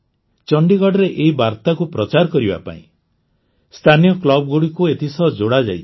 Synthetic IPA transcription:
t͡ʃʌɳɖiɡɔɽɾeʔeɦibaɾt̪akupɾɔt͡ʃaɾkɔɾiba̰pa̰ḭ̃ | st̪ʰanijɔklɔbɡoɽikuet̪isʌɦd͡ʒoɽad͡ʒa̰j

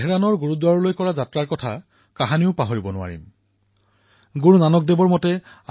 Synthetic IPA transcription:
ɦɛɹanɔɹɡuɹudwaɹɔlojkɔɹazatɹaɹkɔtʰa | kaɦaniʊpaɦoɹibɔnʊa̰ɹḭm | ɡuɹunanɔk̚debɔɹmɔtɛ | a

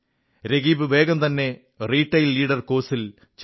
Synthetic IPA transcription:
ɾeɣiːbɨʋe̞ːɡɐmt̪ɐnːe̞ | riːʈːɐjlːiːɽɐrko̞ːsil | t͡ɕ

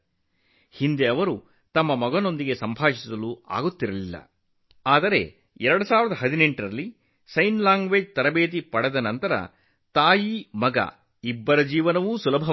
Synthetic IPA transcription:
hind̪eɐʋɐɾu | t̪ɐmːɐmɐɡɐno̞nd̪iɡe̞sɐmbʱaːʂisɐlua̰ːɡut̪ːiɾɐlilːɐ̰ | aːd̪ɐɾe̞̰ | ɛɾɐɽusaːʋiɾɐd̪ɐɦɐd̪ine̞ɳʈɾɐlːi | sɐjnlaːŋɡʋeːd͡ʒt̪ɐɾɐbeːt̪̬ipɐɽɛd̪ɐnɐnt̪ɐɾɐ̰ | t̪aːjimɐɡɐ̰ | ibːɐɾɐd͡ʒiːʋɐnɐʋusulɐbʱɐ

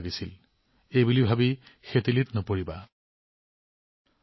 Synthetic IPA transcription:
ɡisil | ejbulibʱabixetilitnɔpoɹiba̰

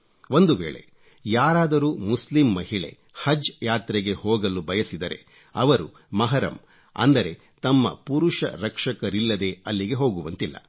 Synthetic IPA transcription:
o̞nd̪uʋeːɭe̞̰ | jaːɾaːd̪ɐɾuːmuslimːɐɦiɭe̞̰ | hɐd͡ʒjaːt̪ɾɛɡe̞hoːɡɐlubʱɐjɐsid̪ɐɾe̞̰ | ɐʋɐɾu | mɐɦɐɾɐ̰m | ɐ̰nd̪ɐɾe̞ | t̪ɐmːɐ̰puɾuʂɐ̰ɾɐkʂɐkɐɾilːɐd̪e̞ɐlːiɡe̞ɦo̞ːɡuʋɐnt̪ilːɐ̰

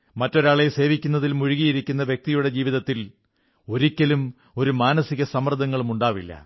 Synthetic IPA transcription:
mɐtːo̞ɾaːɭese̞ːʋikʲːunːɐðilmuɻiɣijiɾikʲːunːɐʋjek̚t̪ijuɽe̞d͡ʑiːʋiðɐt̪ːil | o̞ɾikʲːɐlum | o̞ɾumaːnɐsiɣɐsɐmrɐd̪ʱɐŋːɐɭumuɳɖaːʋilːɐ̰

